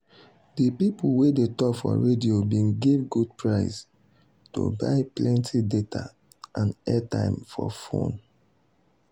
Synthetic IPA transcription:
dipipuwedetɔkfɔ̰ɹediobĩnɡivɡud̚pʰɹaɪs | to̰baɪplɛ̃ntʰidetʰa̰ | ʔãnɛtãɪ̃mfɔfõ̰n

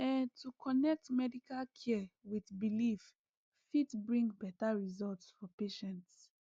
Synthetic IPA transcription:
ɛ̃ntʰukʰɔnɛk̚tmɛdikalkʰɛwiθbilif | fitbɹĩŋɡbɛtaɹizɔltsfɔpeʃɛ̃nts

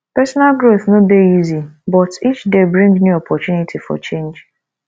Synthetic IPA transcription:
pɛsɔnalɡɾoθnõbeizibɔtit͡ʃdebɹĩŋnjuɔpʰɔtunitʰifɔ̰t͡ʃẽnd͡ʒ

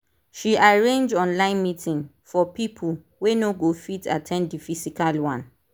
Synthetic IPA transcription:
ʃiʔaɹẽnd͡ʒɔ̃nlãɪ̃nmitʰĩŋ | fɔpipʰul | wenoɡofita̰tʰɛ̃nddifisikalwãn

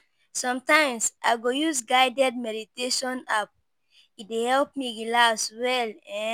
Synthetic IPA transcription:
sɔ̃mtãɪ̃msʔa̰ɪɡojusɡaɪdɛd̚mɛditeʃɔ̃nap̚ | it̚dehɛlp̚miɡilaswɛlɛ̃

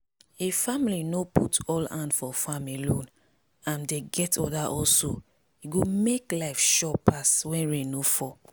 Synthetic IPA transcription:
efamilinoputɔlãndfɔfãmelõn | ãndeɡɛtʰɔ̰daʔɔlso | iɡomeklaɪfʃɔpʰaswɛ̃nɹẽnofɔ

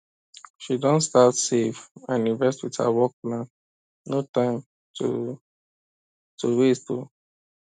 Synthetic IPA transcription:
ʃidɔ̃ntstatsevãnĩnvɛstwið̥ha̰wɔk̚plãn | notãɪ̃m | tṵ | tʰuwestu

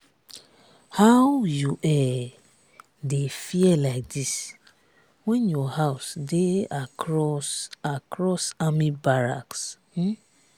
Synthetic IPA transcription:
hawjuʔɛ | defiɛlaɪk̚dis | wɛ̃njɔhaʊsdeaɹɔsakɾɔsamibaɹa̰ks̩

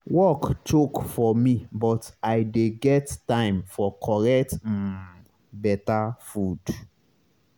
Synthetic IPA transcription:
wɔktʰokfɔmĩbɔtaɪdeɡɛttãɪ̃mfɔkʰɔɹɛkt̩ | bɛtafud

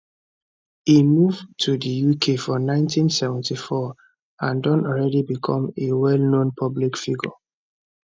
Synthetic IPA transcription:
imuvtʰudijukʰefɔnãɪ̃ntʰĩnsɛvɛ̃ntifɔ | ãndɔ̃nɔlɹɛdibikʰɔ̃mewɛlnõnpʰɔblikfiɡɔ̰

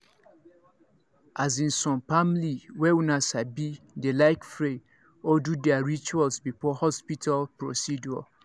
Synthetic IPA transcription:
azĩnsɔ̃mpamliwɛwunasabi | delaɪkfɹe | ɔdudɛaɹit͡ʃualsbifɔhɔspitʰalpɹosidua̰

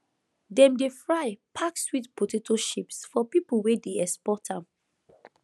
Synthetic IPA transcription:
dɛ̃mdefɹaɪpʰakswitpotetʰoʃipsfɔpiplwedeɛspɔtãm

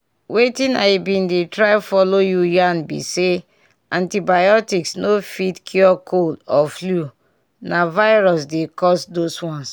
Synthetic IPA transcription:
wetĩna̰ɪbĩndetɹaɪfɔlojujanbḭse | ãntibajɔtiksnofitkʰjuɔkʰoldɔflu | navaɪɹɔs̬dekɔsdoswɔ̃ns

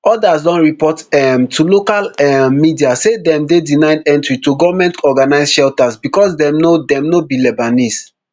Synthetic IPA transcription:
ɔdasdɔ̃nɹipɔtɛmtʰulokalɛːidiasedɛ̃mdedinaɪdɛ̃ntɹituɡɔvamɛ̃ntɔɡanaɪsʃɛltasbikɔsdɛ̃mnodɛ̃mnobilɛbanis

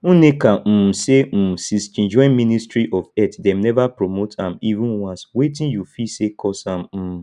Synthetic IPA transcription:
unekãm̩m̩sem̩sist͡ʃĩnd͡ʒɔ̃ɪ̃nmĩnistɾiʔɔvɛtdɛm̩nɛvapɾomotãmivũnwãnswetĩnjufisekʰɔsãmm̩m̩

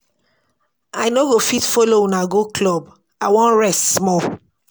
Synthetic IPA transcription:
ajnoɡofitfoloũnaɡoklɔb | awɔ̃nɹɛstsmɔ

